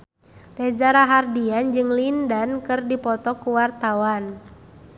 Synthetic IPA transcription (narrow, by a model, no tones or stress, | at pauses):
dad͡ʒaɾaɦardiand͡ʒɨŋlindankɨrdipɔt̪ɔkuwart̪awan